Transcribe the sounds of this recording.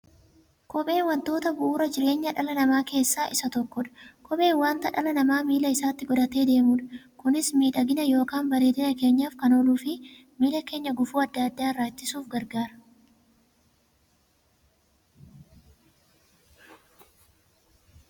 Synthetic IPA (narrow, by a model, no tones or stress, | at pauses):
kɔɓe̞ːnwɐnt̪o̞ːt̪ɐbʊʔuːɾɐd͡ʒɪɾe̞ːɲːɐᶑɐlɐnɐmaːke̞ːsːaːʔɪsɐt̪ɔkːɔᶑɐ̥kʰɔɓe̞ːnwaːnt̪ɐᶑɐlɐnɐmaːmiːlɐɪsaːt̪ːɪɡɔd̪ɐt̪e̞ːd̪e̞ːmuːᶑɐ̥kʊnɪsmiːᶑɐɡɪnɐjo̞ːkaːnbɐɾe̞ːt̪ɪnɐke̞ːɲːaːfkɐnoːluːfɪ | miːlɐke̞ːɲːɐɡʊfuːɐd̪ːɐɐd̪ːaːɾːaːt͡ʃːɪsuːfɡɐɾɡaːɾɐ̥